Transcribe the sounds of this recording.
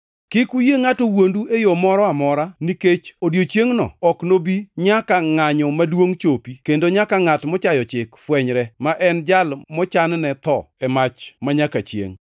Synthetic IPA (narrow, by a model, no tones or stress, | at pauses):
kɪkujeŋatowonduejomɔɾɔamɔɾaniket͡ʃodjot͡ʃjeŋnɔ̰ɔknobiɲakaŋaɲɔmadwoŋt͡ʃopikendoɲakaŋatmɔt͡ʃajɔt͡ʃɪkfwɛɲɾɛmaʔɛnd͡ʒalmɔt͡ʃannɛt̪ɔ̰ɛmat͡ʃmaɲakat͡ʃjḛŋ